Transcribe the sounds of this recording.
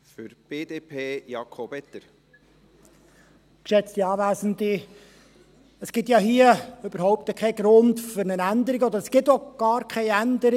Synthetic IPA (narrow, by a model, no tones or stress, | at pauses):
fʏɾb̥eːd̪eːpʰeːjɑkʰobɛt̪əɾ | kʃɛt͡st̪iɑːʋæːzən̩d̪i | əsɡ̥ɪtjɑɦiəøb̥əɾhɔʊp̚t̪əkʰɛɪɡɾʊndfʏɾnənænd̪əɾiɡəɔd̪əɾəsɡ̥ɪtɔɡ̥ɑːɾkʰɛɪænd̪əɾi